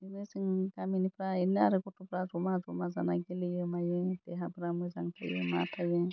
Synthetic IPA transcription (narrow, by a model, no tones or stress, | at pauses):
inɯsɯŋɡaminipʰɾainaɾɯkɔtʰupɾazɔmazɔmazanaɡelijɯmajɯd̥ɛɦabɾamɔjzaŋtʰa̰jɯ̰ma̰tʰajɯ